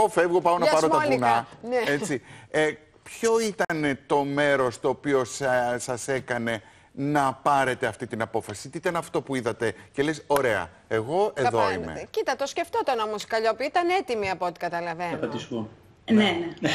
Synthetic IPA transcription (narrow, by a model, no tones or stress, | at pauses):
ofe̞vɣo̞pɐonɐpɐɾoɐninɐneet͡sie | pço̞it̪ɐnet̪o̞me̞ɾo̞st̪o̞ːpio̞ssɐse̞kɐne̞ | nɐpɐɾe̞t̪e̞ɐft̪it̪inɐpo̞fɐsi̥t̪iit̪ɐnɐft̪o̞puiðɐt̪e̞ce̞leso̞ɾe̞ɐ̰ | eɣo̞e̞ðoḭmmḛcit̪ɐt̪osce̞ft̪ot̪ɐno̞moskɐʎopiit̪ɐne̞t̪imiɐpoot̪i̥kɐt̪ɐlɐve̞ɐnoɐt̪isu | nene